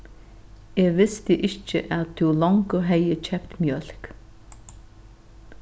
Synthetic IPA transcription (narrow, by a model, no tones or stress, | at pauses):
ɛːʋɪst̪əʔɪt͡ʃə̰ʔaðt̪ʰɪwlɔŋkəɦɛjət͡ʃʰɛpt̪mjœl̥k